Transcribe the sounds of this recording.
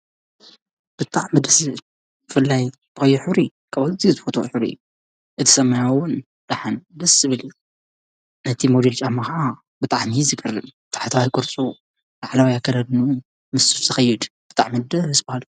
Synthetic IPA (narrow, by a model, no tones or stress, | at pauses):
b̥ɨt̪ʼaʕmɐd̪ɐsɨ | b̥ɨfɨlːaj | ɨxɐjːuħɨβɾi | kʰɐβat̪ʰizɨfot̪ʰjħɨβɾḭjːu | ʔɨt̪ʰɨ̥sɐmːɐjawʊn | d̪̥aħɨnd̪ɐsɨβɨliju | nɐt̪ʰimod̪elt͡ʃʼahmaxa | bɨt̪ʼaʕmizɨɡʰɐrːɨmbɨt̪ʼaħt̪ʰawajkʼɔɾt͡sʼu | laʕlawajakʰːɐlɐd̪nu | mɨsufzɐxɐjːɪd̪b̥ɨt̪ʼa̰ʕmɐd̪ɐzɨbahal